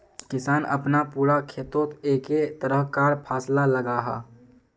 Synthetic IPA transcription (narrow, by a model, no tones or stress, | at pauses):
kɪsaːnʔə̰pnapuːɾakʰeːt̪oːt̪eːket̪əɾəɦkaːɾpʰaːslaləɡaːɦa̰ː